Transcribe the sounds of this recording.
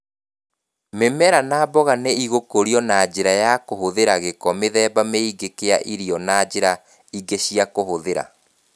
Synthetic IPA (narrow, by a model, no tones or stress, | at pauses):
memɛɾanaːbɔɣaneiɣokoɾiɔnad͡ʑeɾajakohoðeɾaɣekɔmeðɛːbameiɡekeaʔiɾiɔnad͡ʑeɾa | iɡeɕiakohoðeɾa̰